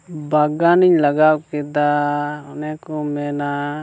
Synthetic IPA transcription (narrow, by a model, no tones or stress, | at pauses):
baɡaniɲlaɡawkɛd̪aɔnɛkɔmɛna